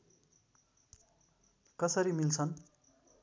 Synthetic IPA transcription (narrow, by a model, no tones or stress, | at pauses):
kʌsʌɾimilt͡sʰʌn